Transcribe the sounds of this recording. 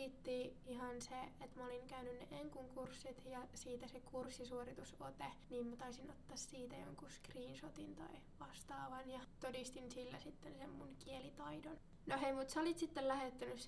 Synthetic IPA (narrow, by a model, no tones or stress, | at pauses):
iːt̪ːiːiɦɑnseet̪mæoliŋkæynynːeʔeŋkuŋkursːit̪jɑsiːt̪æsekursːisuorit̪usot̪eniːmmæt̪ɑisinot̪ːɑːssiːt̪æjo̰ŋkuskriːnsot̪int̪ɑ̰i | ʋɑst̪ɑːʋɑnjɑt̪odist̪insilːæsit̪ːensemːunkielit̪ɑidon | noheimut̪sæolit̪sit̪ːellæhet̪ːænys